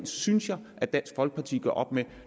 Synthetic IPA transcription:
nsynsjɑ̈ɪʔæd̥ænsɡ̥fɒ̽lɡ̥ə̥pʰɑ̈t͡sʰḭːɡ̥ɶ̰ɐʔɒ̽b̥me

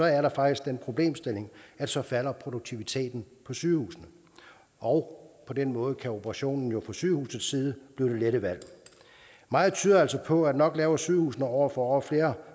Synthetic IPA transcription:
sɒ̽æɐɾɑ̈fɑ̈ɡ̥d̥isɡ̥d̥enpʰʁo̝b̥le̝̰ːmsd̥e̝le̝ŋæd̥sɒ̽fæl̰ɐpʰʁo̝doɡ̚t͡sʰiʋit͡sʰe̝̰ːd̥n̩pʰɒ̽syːhṵːsənə | ʔɒ̽ʊpʰɒ̽d̥enmɔ̽ːð̞̩ˠəkʰæo̝b̥ʰəʁɑ̈ɕo̝̰ːnn̩jo̝fʰɒ̽syːhṵːsð̩ˠsiːð̞ˠəb̥lid̥e̝leɾəʋæl̰ | mɑ̈ːð̩ˠt͡sʰyːðˠɐæl̰sɒ̽pʰɒ̽æd̥nɒ̽ɡ̥lɛːʊɐsyːhṵːsənəɒʊ̰ɐfɒ̽ɒfle̝ːɐ

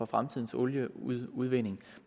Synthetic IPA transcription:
ɒ̽fʁamt͡sʰiðˠn̩sɔljəuð̞ˠʋe̝ne̝ŋm

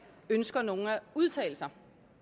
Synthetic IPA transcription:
ønsɡ̥ɐno̝ːŋ̩æuð̞ˠt͡sʰɛ̰ːɪl̩sɐ

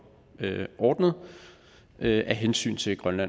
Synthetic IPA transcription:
øʔɒːd̥nð̞̩ˠ | ʔøʔæɦensy̰ːnt͡sʰe̝lɡ̥ʁɶnlæ

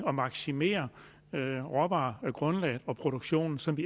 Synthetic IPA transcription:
ɒ̽mɑ̈ɡ̥sime̝̰ːɐ | ʁɒ̽b̥ɑːɡ̥ʁɔ̽nlɛ̰ːð̩ˠɒ̽pʰʁo̝ɾ̥oɡ̥ɕo̝̰ːnn̩sɒ̽mʋi

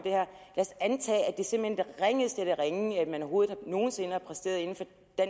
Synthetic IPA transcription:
d̥e̝hæɐ̰læːsænt͡sʰɛ̰ːæd̥e̝se̝mb̥l̩hend̥ʁɛŋð̩ˠsd̥eɾ̥əʁeŋæd̥mænɒho̝ːð̩ˠhɑ̈no̝ːn̩se̝nəhɑ̈pʰʁɛsd̥e̝̰ɐðˠe̝n̩fɒ̽ | d̥æ

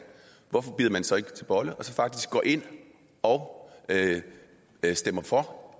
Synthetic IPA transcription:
ʋɒfɒ̽b̥yːðˠɐmænsɒ̽e̝ɡ̥ə̥t͡sʰe̝lb̥ɒ̽ləʔɒ̽sɒ̽fɑ̈ɡ̥d̥isɡ̥ɡ̥ɒ̰ːʔe̝n̰ | ɒ̽ʊø | sd̥emɐfɒ̽

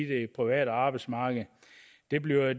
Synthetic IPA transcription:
d̥e̝pʰʁiʋæ̰ːdɑ̈ːb̥ɑ̈ɪdsmɑ̈ːɡ̥ð̩ˠ | d̥e̝b̥liʊ

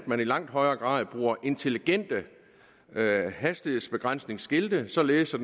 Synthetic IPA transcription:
d̥̚mænilɑ̈ŋ̰d̥hɒ̽ɪɐːɡ̥ʁɑ̰̈ːð̩ˠb̥ʁuːɐʔe̝nt͡sʰe̝liɡ̥en̰d̥ə | hæsd̥ihe̝ð̩̰ˠsb̥e̝ɡ̥ʁan̰sne̝ŋsɡ̥eld̥əsɒ̽leːð̩ˠsɒ

